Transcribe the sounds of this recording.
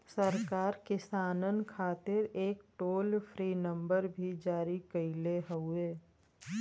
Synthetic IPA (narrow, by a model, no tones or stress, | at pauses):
səɾkaːɾkɪsaːnənkʰaːt̪ɪɾeːkʈoːlfʰɾiːnə̃mbəɾbʱid͡ʒaːɾikəileɦəʊeː